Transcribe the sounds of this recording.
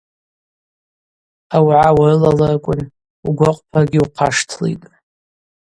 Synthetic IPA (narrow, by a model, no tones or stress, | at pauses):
awʕawarɨlalarkʷʼʊn | uɡʷaqʷʼpʰaɡʲɪuqʰaʂtʰlḭjtʼ